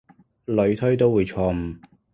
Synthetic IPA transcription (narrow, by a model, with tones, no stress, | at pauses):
lɵ˨˧ɥt̪ʰɵ˥t̪o˥wuː˨˧jt͡ʃʰɔː˧m̩˨˩